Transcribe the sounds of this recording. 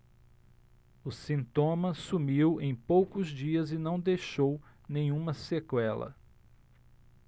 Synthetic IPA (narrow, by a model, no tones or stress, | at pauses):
ʊsĩnt̪õmɐsumiwẽj̃powkʊzd͡ʒiɐzɪnɐ̃w̃d̪ejʃow | nẽj̃ũmɐsekwɛlɐ̰